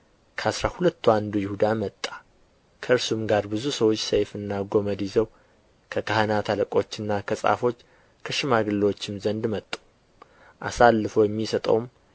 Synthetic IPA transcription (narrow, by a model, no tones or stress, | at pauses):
kʰəasɾahulət̪ʰːuand̪ujɪhud̪amət̪ʼːḁ | kʰəɨɾsumɡaɾbɨzusəwo̞t͡ʃːsejfɨnːaɡo̞məd̪izəw | kʰəkʰahanat̪ʰaləkʼo̞t͡ʃːɨnːakʰəsʼa̰fo̞t͡ʃː | kʰəʃɪmaɡɨlːwot͡ʃːɪmzənd̪mət̪ʼːu̥ | ʔasalːɨfəwjɛmːisət̪ʼə̰wm